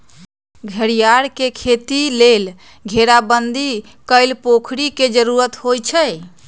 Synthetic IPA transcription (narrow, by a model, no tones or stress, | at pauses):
ɡʱəɾijaɾkekʰet̪ilel | ɡʱeɾabənd̪i | kəɪlpokʰɾiked͡ʒəɾuɾət̪ɦojt͡ʃʰə